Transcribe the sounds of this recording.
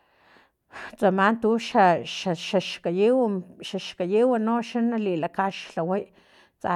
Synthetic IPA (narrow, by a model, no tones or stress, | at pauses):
t͡samant̪uʃaʃaʃaʃkajiwʃaʃkajiwanoʃanalilakaʃlawaj | t͡sa̰